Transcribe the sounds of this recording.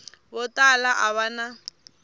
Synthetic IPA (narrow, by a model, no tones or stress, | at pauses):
bʊtʼalaʔaβana